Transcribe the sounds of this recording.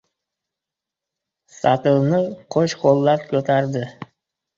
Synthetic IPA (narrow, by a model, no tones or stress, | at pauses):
sɑt̪ɨlˠnəqʰoʃqʰolˠːɑpkʲʰɵt̪ʰaɾd̪ɪ